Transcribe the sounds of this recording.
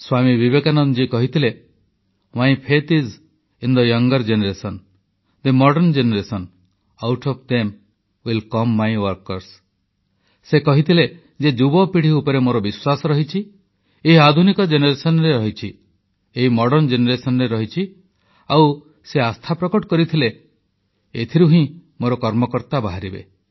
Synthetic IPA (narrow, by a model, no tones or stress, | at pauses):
swamibibekanɔnd͡ʒikɔɦit̪ʰile | wajpʰet̪iz | ind̪ɔjʌŋɡɔɾd͡ʒeneɾesɔn | d̪emɔɖɔnd͡ʒeneɾesɔn | awʈʰɔpd̪em | wilkɔmːajwɔɾkɔɾs | sekɔɦit̪ʰile | d͡ʒed͡ʒubɔpiɽ̤iupɔɾemoɾɔbiswasɔɾɔɦit͡ʃʰi | eɦiad̪ʱunikɔd͡ʒeneɾesɔnɔɾeɾɔɦit͡ʃʰi | eɦimɔɽɔnd͡ʒeneɾesɔnɔɾeɾɔɦit͡ʃʰi | aw | seast̪ʰapɾɔkɔʈɔkɔɾit̪ʰile | et̪ʰiɾuɦĩmoɾɔkɔɾmɔkɔɾt̪abaɦaɾibḛ